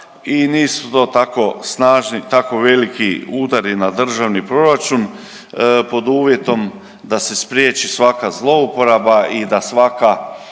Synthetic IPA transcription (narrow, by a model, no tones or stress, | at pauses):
iniːsut̪o̞ːt̪ako̞snaːʒnit̪ako̞ʋe̞likiuːd̪aɾinad̪r̩ʒaʋnipɾo̞ɾat͡ʃun | po̞d̪uːʋje̞t̪o̞m | d̪asespɾjet͡ʃisʋakazlˠo̞upo̞ɾabaid̪asʋaka